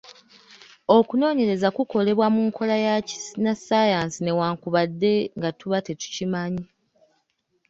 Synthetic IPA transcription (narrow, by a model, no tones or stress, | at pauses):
o̞kuno̞ːɲe̞ɾe̞zakuko̞le̞βwamuːŋkʰo̞lajaci̥snasajansine̞waːŋkuβadːe̞ŋɡatuβatetu̥cimaɲi